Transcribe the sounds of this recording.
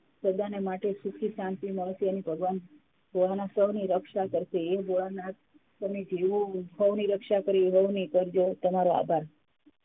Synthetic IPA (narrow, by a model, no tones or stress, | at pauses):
səd̪anemaʈesukʰisãnt̪iməɭsijanibʱəɡʋan | bʱoɭanasəʋniɾəkʃakəɾʃeeboɭana | səmed͡ʒeʋũɦəʋniɾəkʃakəɾiɦəʋnikəɾd͡ʒot̪əmaɾoa̰bʱaɾ